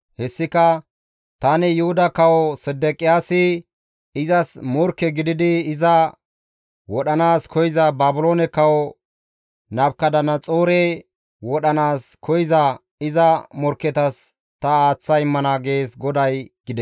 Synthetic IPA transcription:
hɛsːɪkɐ | t̪ɐnɪjʊhʊd̪ɐkɐwɔsɛd̪ːɛkʼɪjaːsɪ | ɪzɐsmɔɾkːɛɡɪd̪ɪd̪ɪːzɐ | wɔɗɐnaːskʰɔjɪzɐbaːbʊloːnɛkɐwɔ | nɐbkɐd̪ɐnɐt͡sʼoːɾe | wɔɗɐnaːskʰɔjɪzɐ | ɪzɐmɔɾkːɛt̪ɐs | t̪ɐaːt͡sːɐjɪmːɐnaːɡe̞ːsɡɔd̪ɐjɡɪd̪ɛ

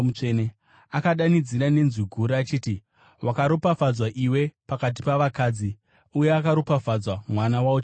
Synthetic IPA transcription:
ut͡ʂene | akaɗanid͡ziɾane̞nziɡʱuɾiat͡ʃiːti | wakaɾopafad͡zwaʔiwe̞pakat̬i̥paʋakaːd͡zi | uje̞akaɾopafad͡zwamwanawaot͡ʃ

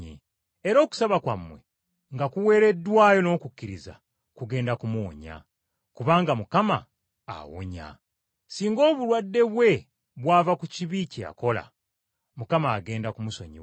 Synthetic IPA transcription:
ḛ | eɾo̞ːku̥saβakwamːwe | ŋɡakuwe̞ːɾe̞dːwaːjo̞no̞ːkukːiɾiza̰ | kuɡe̞ːndakumuːɲa̰ | kuβaːŋɡamukama̰ː | wo̰ɲa̰ | siːŋɡo̞ːβulwadːe̞βwe̞ | βwaːvakuciβicia̰ko̞la̰ | mukamaːɡe̞ːndakumuso̞̰ɲḭ

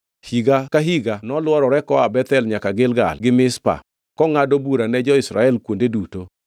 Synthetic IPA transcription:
hiɡakaɦiɡanɔlwɔɾɔɾɛkɔabɛt̪ɛlɲakaɡɪlɡa̰lɡɪmɪspa̰ | kɔŋadobuɾanɛd͡ʒɔɪsɾa̰ɛlkwondeduto

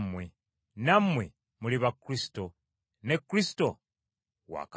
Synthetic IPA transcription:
mwe | namwe | muliβakːɾisi̥to | nekːɾisi̥to | wa̰ːk

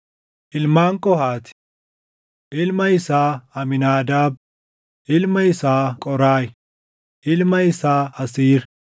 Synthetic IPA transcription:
ʔɪlmaːŋkʼɔhaːt̪ | ʔɪlmɐɪsaːɐmɪnaːd̪aːb̚ | ʔɪlmɐɪsaːkʼɔɾaːj | ʔɪlmɐɪsaːɐsiːɾ

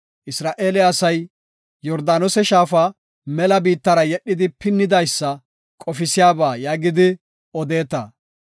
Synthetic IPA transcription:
ʔɪsɾaːʔeːlɛɐsɐj | jɔɾd̪aːnɔsɛʃaːfa | mɛlɐbiːt̪ːɐɾɐjɛɗːɪd̪ɪpɪnːɪd̪ɐjsːɐ | kʼɔfɪsɪjaːbaːjaːɡɪd̪ɪ | ɔd̪e̞ːt̪ɐ

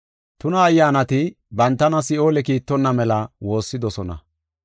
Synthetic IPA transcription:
t̪ʊnɐːjːaːnɐt̪ɪ | bɐnt̪ːɐnɐsɪo̞ːlɛkiːt̪ːɔnːɐmɛlɐwo̞ːsːɪd̪ɔsɔnɐ̰

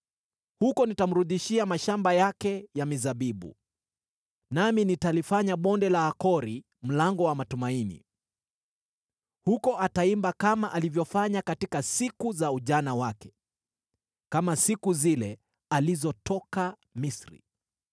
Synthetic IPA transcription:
hukɔnitam̩ɾuðiʃiamaʃambajakɛjamizaɓiɓṵ | naminitalifaɲaɓɔndɛlaːkɔɾi | m̩laŋɡɔwamatumainḭ | hukɔʔataimbakamaʔalivjɔfaɲakatikasikuzauʄanawakɛ̥ | kamasikuzilɛ | alizɔtʰɔka | misɾḭ

